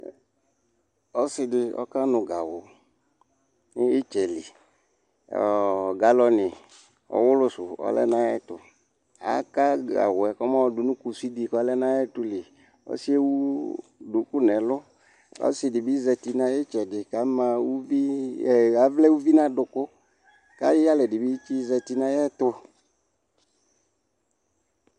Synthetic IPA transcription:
ɔ˦sɪ˨dɪ˨ɔ̰˦ka˦nʊ̃˨ɡa˨wʊ˨ | nɪ˦ɪ˦t͡ʃɛ˨lɪ̰˨ | ɔ̰˨ɡa˨lɔ˨nɪ˨ | ɔ̰˨wʊ˦lʊ˦sʊ˨ɔ̰˨˦lɛ̰˦nã˦ɛ˦tʊ˨ | a̰˨˦ka˦ɡa̰˨wʊ˨ɛ˨kɔ˦mã˦ɔ˨dʊ˨nũ˦ku˨si˦di˨ka˦lɛ˦nã˦jɛ˦tʊ˦lɪ˨ | ɔ̰˦si˦e˦wu˦dʊ˨˦ku˦nɛ˨lʊ˦ | ɔ̰˦sɪ˨dɪ˨bi˦zɛ˧ti˧nã˨˦jɛ˦t͡ʃɛ˨dɪ˨ka˨˦mã˨wu˦vi˦˨ | a˨˦vlɛ˦wu˦vi˦nã˦dʊ˨kʊ˦ | ka˨˦jɪ˦ja˦lɛ˨dɪ˨bi˦t͡ʃi˦zɛ˧ti˨nã˦jɛ˦t̪ʊ˧

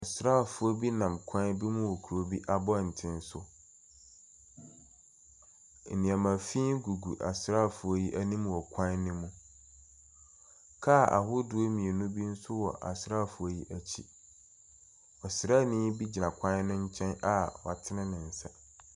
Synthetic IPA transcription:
ɔ˨sɾa˦˨fʊ˦o˦bi˦nã˨mkʷʰã˦nbi˦mũ˦wo˨kʰu˨ɾo˦bi˦ʔa˦bɔ˦˨n̩˨tʰɪ̃˦n˦sʊ˦ | n̩˨nĩ˨a˨mã˨fĩː˦nɡu˨ɡu˨ʔa̰˨sɾa˦˨fʊ˨o˦ji˦ʔæ˦nĩ˦m˦wɔ˨kʷʰã˦nːɪ̃˦mũ˦ | kʰa˦˨a̰˨hʊ˦dʊ˨˦o˦mĩ˨e˨nũ˦bi˦n̩˦sʊ˦wɔ̰˨ʔa̰˨sɾa˦˨fʊ˨o˦ji˦ʔæ˨t͡ɕʰḭ˦ | ɔ˨sɪ˨ɾaː˦˨nĩ˦bi˦d͡ʑi˨nã˨kʷʰã˦nʊ̃˦ɲ̩˦t͡ɕʰɛ̃˦na˨ɔ̰˨a˨tʰɪ˦nɪ̃˦nɪ̃˨n̩˨sa˦

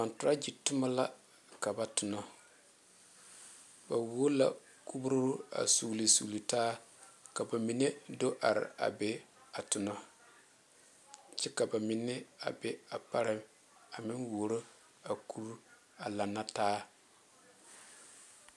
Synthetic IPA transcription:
ba˨ntʊ˨ɾa˦d͡ʒi˨tʊ˦ma˦la˦ | ka˨ba˨tʊ˨nɔ˦ | ba˨wo˦la̰˨ | ku˦bʊ˦ɾʊ˦a̰˨su˨li˨sṵ˨lu˨taː˦ka˨ba˨mi˨ne˦do˦ʔa˨ɾɪ̰˨a̰˨bɛ˦a˨tʊ˨nɔ˦ | t͡ʃɛ˦ka˨ba˨mɪ˨nːɪ˦a̰˨bɛ˦a˨pa˦ɾɪ˦m | a˨mɪ˦nwo˨ɾo˦ | a˨kʰu˦ɾu˦ | a˨la˨nːa˦taː˦

